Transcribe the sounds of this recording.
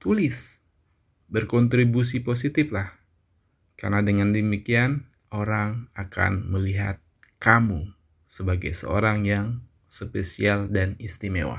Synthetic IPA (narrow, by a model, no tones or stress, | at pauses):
t̪ulɪs | bərkɔnt̪ɾibus̬ipos̬it̪ɪflah | ka̰rnadəŋandəmikian | oɾaŋakʰa̰nməliɦa̰t̪̚ | kamu | səbaɡajsə̰o̰ɾaŋjaŋ | səpesialdanist̪imḛwa̰